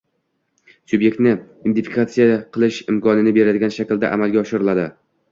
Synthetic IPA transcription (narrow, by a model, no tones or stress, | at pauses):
sʊbje̞k̚ʲt̪nɪ | ɪmd̪ɪfi̥kʰat̪sijaqʰɨlˠɪʃɪmkʰɒnɪnɪbe̞ɾad̪ɪɡʲanʃakʲld̪a̰ʔa̰malˠɡʲaɒʃɪɾɪlad̪ɪ